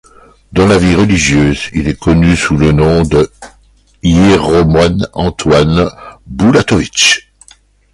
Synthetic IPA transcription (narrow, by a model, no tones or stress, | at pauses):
d̪ɑ̃laviʁəliʒjøːzḭlɛkɔnysulənɔ̃d̪ə | jeʁɔmwanɑ̃t̪wanbulat̪ɔvit͡ʃ